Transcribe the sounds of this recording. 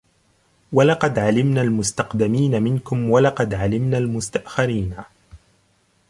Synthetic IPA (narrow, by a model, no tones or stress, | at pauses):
walɑqɑd̪ʕalɪmnaːlmʊst̪ɑqd̪ɪmiːnamɪnkʊmwalɑqɑd̪ʕalɪmnalmʊst̪aʔxɪɾiːna